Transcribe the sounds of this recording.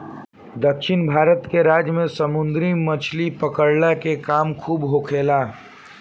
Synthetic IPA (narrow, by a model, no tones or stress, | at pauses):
d̪əkʃɪnbʱaːɾət̪keɾaːd͡ʒjmẽsəmʊ̃nd̪ɾimɐt͡ʃʰlipəkəɽlakekaːmkʰuːbɦokʰeːlaː